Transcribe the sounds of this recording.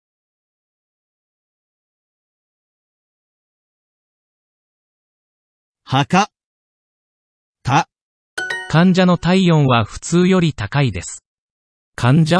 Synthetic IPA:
haka | t̪a | kʰãɲ̟d͡ʑano̞t̪aijõ̞ɰ̃βaɸɯ̟̥t͡sɨːjo̞ɾʲit̪akaid̪e̞sɨ̥ | kʰãɲ̟d͡ʑa

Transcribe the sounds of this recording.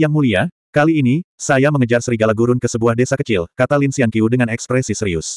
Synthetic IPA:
jaŋmulia | kaliːnisajaməŋəd͡ʒarsəɾiɡalaɡuɾʊnkəsəbuahdesakət͡ʃɪlkat̪alinsiankiudəŋanɛkspɾɛsisəɾiʊs

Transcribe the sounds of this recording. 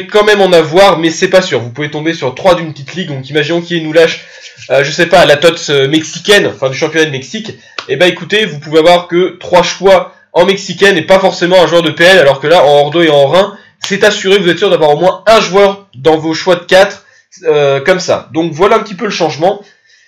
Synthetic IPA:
kɑ̃mɛmɑ̃navwaʁmɛsɛpasyːʁvupuvet̪ɔ̃besyʁt̪χwad̪ynpət̪it̪liɡ̚d̪ɔ̃kimaʒinɔ̃kʲiɛnulaʃ | aʒəsɛpaːlat̪ɔt̪sømɛksikʲɛnɑ̃fɛ̃d̪yʃɑ̃pjɔnad̪əmɛksik | ebaekut̪evupuveavwaʁkət̪χwaʃwa | ɑ̃mɛksikʲɛnepafɔʁsemɑ̃ɛ̃ʒwœʁd̪əpeɛlalɔʁkəlaɑ̃ɔʁd̪oeɑ̃ʁɛ̃ | sɛt̪asyʁekvuzɛt̪syʁd̪avwaʁomwɛ̃ɛ̃ʒwœʁd̪ɑ̃voʃwad̪əkʲat̪χ | økɔmsa̰d̪ɔ̃kvwalaɛ̃pət̪ipøləʃɑ̃ʒmɑ̃

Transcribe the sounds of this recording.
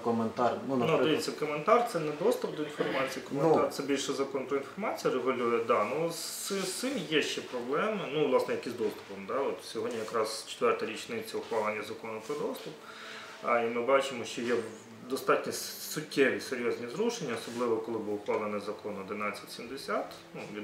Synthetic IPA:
kɔment̪ɑrnnudd̪eɪʋit̪ʲt͡sʲːɐkɔment̪ɑrt̪sɛnɛd̪ɔst̪ʊp̚d̪ɔinfɔrmɑt͡sʲijikɔmment̪ɑrt̪sɛbʲilʲʃɛzɐkɔnpɾɔinfɔrmɑt͡sʲijɐɾeɣʊlʲujɪd̪ɑnusɪsɪmjɛʃt͡ʃɛpɾɔblˠɛmɪnuʋlˠɑsnɛjɐkɪzd̪ɔst̪ʊ̥pɔmd̪ɑɔt̪sʲɔɦɔdʲnʲijɐkɾɑz̥t͡ʃe̥t̪ʋɛrt̪ɐɾʲit͡ʃnɪt͡sʲːɐʊxʋɑlˠenʲːɐzɐkɔnʊpɾɔd̪ɔst̪ʊp | imɪbɑt͡ʃɪmɔʃt͡ʃɔjɛ | d̪ɔst̪ɑtʲnʲissʊkʲːɛʋʲiseɾʲjɔzʲnʲizɾuʃenʲːɐɔsɔblˠɪʋɔkɔlˠɪbuʊxʋɑlˠenɪzɐkɔnɔd̪ɪnɑt͡sʲːɐtʲsʲimd̪esʲat̪ | nuʋʲin

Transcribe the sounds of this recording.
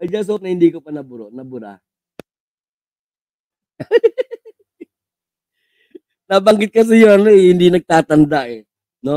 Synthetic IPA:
ɐd͡ʒaŋs̬ɐop̚nɐhɪnd̪ikopɐnɐbʊɾoʔnɐbʊɾa̰ | nabɐŋɡɪt̪̚kɐs̬ɪjoɐnoɛhɪnd̪inɐɡ̚t̪aːt̪ɐnd̪aʔɛ | no

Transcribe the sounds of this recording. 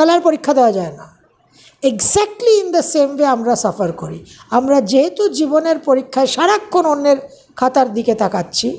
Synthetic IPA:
alaɾpoɾikʰːad̪eoad͡ʑaena | eɡsɛk̚ʈliind̪əsemveamɾasafaɾkoɾḭamɾad͡ʑeɦet̪ud͡ʑiboneɾpoɾikʰːaeʃaɾakʰːononːeɾ | kʰat̪aɾd̪iket̪akatːɕʰi

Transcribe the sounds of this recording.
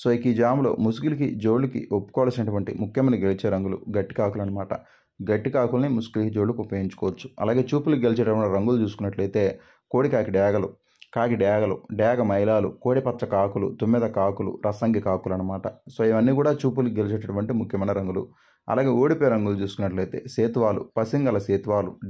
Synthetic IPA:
soːikid͡ʒaːmlo̞̰ːmusɡulikid͡ʒo̞ːɭːukḭʔopːu̥kɔːʋaːlsinɐʈuʋɐɳʈḭmukʰjɐmɐnɐɡe̞lit͡ʃe̞ːɾɐŋɡulṵɡɐʈːikaːkulɐnɐmaːʈɐ̰ | ɡɐʈːikaːkulɐnimusɡulikid͡ʒo̞ːɭːukupːɐjiɲt͡ʃu̥kɔːʋɐt͡ʃːu̥ɐ̰laːɡe̞ːt͡ʃuːpulukiɡelit͡ʃɛɐuʋɐniɾɐŋɡulut͡ʃuːsukunːɐʈlɐjt̪e̞ː | ko̞ːɽikaːkiɖjaːɡɐlu | kaːkiɖjaːɡɐlṵɖjaːɡɐmɐjlaːlṵko̞ːɽipɐt̪ːʃɐkaːkulṵt̪umːɛd̪ɐkaːkulṵɾʔɐsɐŋɡikaːkulɐnːɐmaːʈɐsoːiʋɐnːiːkuːɽaːt͡ʃuːp̬ulukiɡe̞lit͡ʃeːʈɐʈuʋɐɳʈimukʰjɐmɐnɐɾɐŋɡulṵ | ɐ̰laːɡe̞ːoːɽipɔːɾɐŋɡulut͡ʃuːsu̥kunːɐʈlɐjt̪e̞̰ːseːt̪ʋaːlṵpɐsiŋɡɐlɐseːt̪ʋaːlu

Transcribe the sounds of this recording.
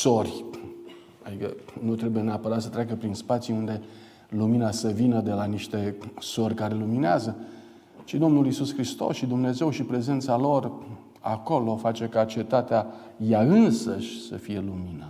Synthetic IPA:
so̞rʲ | ad̪ikə̰nut̪ɾe̞buje̞neapəɾat̪sət̪ɾʲaɡəpɾinspat̪sjund̪e̞ | luminasəvinəd̪e̞laniʃt̪e̞so̞rʲkaɾe̞lumineazə | t͡ʃid̪o̞mnulisuskɾist̪o̞̰sʃid̪umne̞ze̞wʃipɾe̞ze̞nt̪salo̞r | a̰ko̞lo̞fat͡ʃe̞kat͡ʃe̞t̪at̪ea | jaɨnsəʃʲsə̰fije̞luminə

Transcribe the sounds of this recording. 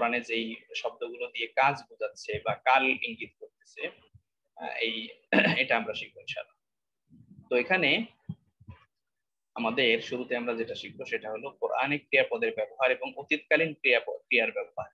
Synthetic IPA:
koɾaned͡ʑejʃɔb̚d̪oɡulod̪iekad͡ʑbud͡ʑatːɕʰebakalḭŋɡit̪̚koɾt̪e̥t͡ɕʰe | ejeʈaamɾaʃik̚ʰːont͡ɕʰa̰na | t̪oekʰane | amad̪eɾɾʃuɾut̪eamɾad͡ʑeʈaʃik̚ʰboʃeʈaɦolokoɾʔa̰nekɾijapɔd̪eɾbɛboɦaɾeboŋot̪it̪kalinkiakɾijaɾbɛboɦaɾ

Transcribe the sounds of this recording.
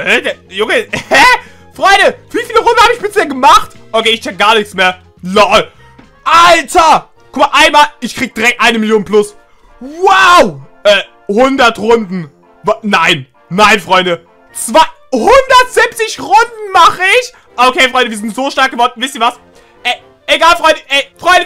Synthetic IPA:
ʔɛdɛjʊŋəhɛ | fʁ̥ɔʏndəv̥iːfiːləʁʊndn̩haːbəɪçb̥ɪsheːɐɡəmaχtʔokeːɪçt͡ʃɛk̚ɡ̥aːɐnɪçt͡smeːɐ | lɔ | ʔaltʰɐ | kʰʊmaɐʔaɪnmaːlʔɪçkʁ̥iːɡəd̥iʁɛk̚tʔaɪnəmɪljoːnplʊs | waʊʔɛː | hʊndɐtʁʊndn̩ | vanaɪn | naɪnfʁ̥ɔʏndə | t͡sv̥aɪ | hʊndɐtz̥ɪp̚t͡sɪçʁʊndn̩maχəɪç | ʔokʰeːfʁ̥ɔʏndəviːzɪntz̥oːʃtaɐk̚ɡ̥əvɔɐdn̩vɪstiːɐvas | ʔɛ | ʔeɡaːlfʁɔʏndəʔɛɪfʁ̥ɔʏndə

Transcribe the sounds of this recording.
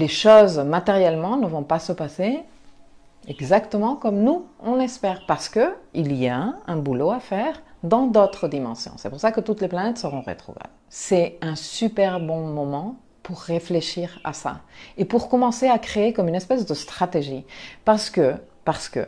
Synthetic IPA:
leʃozmat̪eʁjɛlmɑ̃nəvɔ̃pasəpase | ɛɡzakt̪əmɑ̃kɔmnuɔ̃nɛspɛːʁpaʁsə̥kəilijaɛ̃buloafɛʁd̪ɑ̃d̪ot̪χəd̪imɑ̃sjɔ̰̃sɛpuʁsakət̪ut̪leplanɛt̪səʁɔ̃ʁḛt̪χɔ̰va̰blsɛɛ̃sypɛʁbɔ̃mɔmɑ̃ | puʁːefleʃiʁa̰sa̰epuʁkɔmɑ̃seakχeekɔmynɛspɛsd̪əst̪χat̪eʒipaʁsə̥kə | paʁsə̥kə̰

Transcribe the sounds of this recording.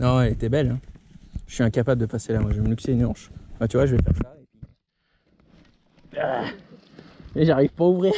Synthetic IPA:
nɔ̃ɛlet̪ɛbɛlɛ̃ʒə̥sɥiɛ̃kapabləd̪əpaselamwaʒeməlyksenɑ̃ʃfɛ̃t̪yvwaʒəvɛfɛ̰ʁsaepɥi | a | eʒaʁivpauvʁiː

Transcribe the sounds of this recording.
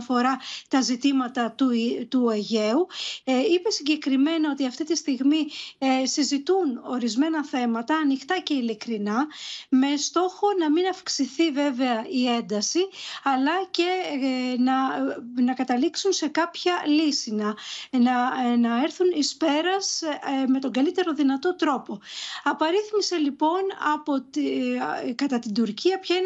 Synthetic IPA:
fo̞ɾɐt̪ɐzit̪imɐt̪ɐt̪ut̪uɐʝe̞uipe̞siɲɟe̞kɾime̞nɐo̞t̪iɐft̪it̪ist̪iɣmisizit̪uno̞ɾizme̞nɐθe̞mɐt̪ɐːnixt̪ɐce̞ilikɾinɐme̞st̪o̞xo̞nɐminɐfksiθive̞ve̞ɐʔie̞nd̪ɐsiɐlɐce̞nɐnɐkɐt̪ɐliksunse̞kɐpçɐlisinɐɐnɐeɾθunispe̞ɾɐsme̞t̪o̞ŋɡɐlit̪e̞ɾo̞ðinɐt̪o̞t̪ɾo̞po̞ɐpɐɾiθmise̞lipo̞nɐ̰pot̪ | kɐt̪ɐt̪ind̪uɾciɐpçɐin

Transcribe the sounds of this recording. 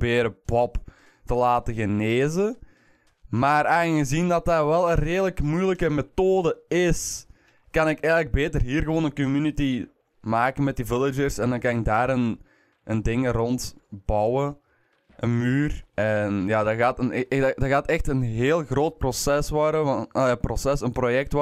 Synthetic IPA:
beːɾəpɔp | təlaːtəɣəneːzə | maːɾaɣəzindɑt̚daːrʋɛlˠənreːdələkmujləkəmetoːdəɪs | kɑnɪkɛɣələɡ̚beːtərɦiːrɣəʋoːnənkɔmyniti | maːkənmɛt̚divɪlˠɪd͡ʒərsɛndɑnkɑnɪɡ̚daːɾən | ʔəndɪŋəɾɔntbɑwə | ʔənmyːrɛnjaːdɑɣaːtənɛdaɣaːtɛxtənɦeːlˠɣroːt̚prosɛsʋɔrdəprosɛsənprojɛk̚t

